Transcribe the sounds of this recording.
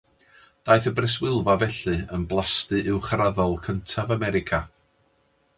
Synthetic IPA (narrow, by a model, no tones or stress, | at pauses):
d̥aːjθəbrɛs̬wɪlˠvavɛɬɨənblˠastɨʔɪwχraðɔlˠkʰəntʰavamɛɾɪkʰa